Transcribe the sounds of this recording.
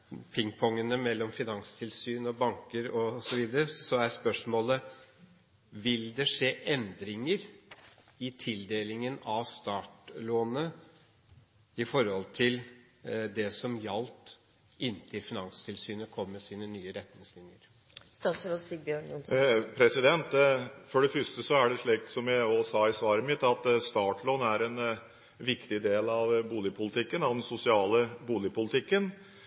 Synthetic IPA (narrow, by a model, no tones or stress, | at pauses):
pʰɪŋpʰɔŋənəmɛlːɔmfɪnɑnst̪ʰɪlsyːnɔbɑŋkəɾɔsɔʋiːd̪əɾəsɔæɾspœʂmoːlə | ʋɪld̪ɛʂeːʔɛnd̪ɾɪŋəɾ | ɪt̪ʰɪld̪eːlɪŋənɑʋst̪ɑːʈloːnə | ɪfɔɾhɔlt̪ʰɪl | d̪ɛsɔmjɑlt̪ | ɪnt̪ʰɪɾfɪnɑŋst̪ʰɪlsyːnəkʰɔmːəsiːnənyːəɾɛt̪nɪŋslɪnjəɾ | st̪ɑːt̪sɾoːsik̚bjøːɳʊnpʰɾɛsɪd̪ɛnt̪fɔɖɛfœʂt̪əsɔæɖɛʂɭiːk̚t̪sɔmjæɪɔsɑːɪsʋɑːɾəmɪt̪ːɑt̪st̪ɑːʈɭɔnæɾɛn | ʋɪkt̪ɪd̪eːlɑʋbuːlɪpʰʊlɪt̪ʰɪkːənɑd̪ɛnsʊsɪɑːləbuːlɪpʰʊlɪt̪ʰɪkːən